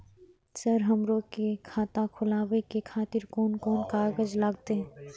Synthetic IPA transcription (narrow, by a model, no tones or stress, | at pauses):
səɾɦəmɾokekʰaːt̪akʰʊlaːwekekʰaːt̪ɪɾkɔːnkɔːnkaːɡəd͡ʒlaːɡ̚t̪eɛ̃